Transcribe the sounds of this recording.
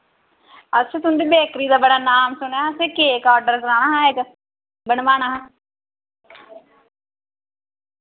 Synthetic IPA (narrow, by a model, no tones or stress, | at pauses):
ətːʃʰeːt̪ʊnd̪iːbeːkɾiːd̪aːbəɽaːnaːmsʊɳjãseːkeːkaːɖəɾkɾaːñaːɦãːek | bənʋaːnaːɦãː